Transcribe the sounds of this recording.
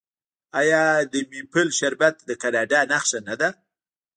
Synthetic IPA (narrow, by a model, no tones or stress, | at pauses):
ajɑd̪əmipəlʃaɾbat̪d̪əkanɑɖɑnaxʃanad̪a